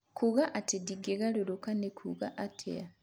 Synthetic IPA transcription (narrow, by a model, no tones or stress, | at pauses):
kʰuɣaʔatediɡeɣaloɾokanekʰṵɣaʔatʰḛa